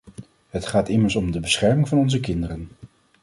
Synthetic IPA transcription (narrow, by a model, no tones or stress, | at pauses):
ɦətχaːtɪməɹsɔmdəbəsχɛɹmɪŋvɑnɔnzəkɪndərən